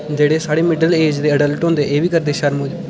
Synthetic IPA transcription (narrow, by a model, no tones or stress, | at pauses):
d͡ʒeːɽeːsaːɽeːmɪɖəleːd͡ʒd̪eːəɖəlʈõːnd̪eːʔeːʋʱiːkəɾd̪eːʃəɾmʊd͡ʒ